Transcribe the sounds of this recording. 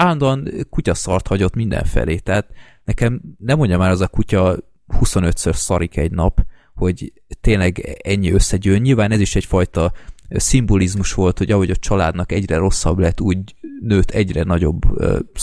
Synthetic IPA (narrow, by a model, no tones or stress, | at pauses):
alnd̪ɒnkucɒsɒrt̪hɒɟo̞t̪mind̪ɛ̰ɱfɛ̰leːt̪ɛɦat̪ | nɛkɛmnɛmːo̞ɲɟɒmaːɾɛzɒkucɒ | huso̞nø̞t̪sørsɒɾikɛɟnɒp | ho̞ɟ | t̪eːnlɛɡɛɲːiø̞sːɛɟøːnɲilvaːnɛziʃɛcfɒjt̪ɒsimbolizmuʃʋo̞lt̪ho̞ɟɒɦo̞ɟɒt͡ʃɒlaːd̪nɒkɛɟrɛɾo̞sːɒblɛt̪ːuːɟnøːt̪ʰɛɟrɛnɒɟo̞̰b̰ː